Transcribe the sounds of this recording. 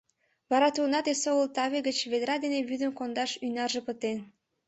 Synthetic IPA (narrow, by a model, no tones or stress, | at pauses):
βɑɾɑt̪unɑd̪esoəlˠt̪ɑβeɡə̆t͡ɕβed̪ɾɑd̪eneβyd̪ə̆mkond̪ɑʃyjnɑrʒɤ̆pə̆t̪en